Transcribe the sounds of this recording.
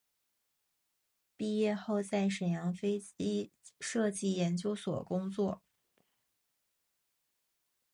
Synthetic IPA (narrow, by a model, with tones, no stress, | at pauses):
pi˥˧jɛ˥˧xo˥˧ʊt͡sa˥˩ɪʂə˨˩ŋjɑ˧˥ŋfe˥ɪi˥ʂɤ˥˧t͡ɕi˥˩jɛ˧˥nt͡ɕjo˥ʊswɔ̰˨˩kʊ˥ŋt͡swɔ˥˩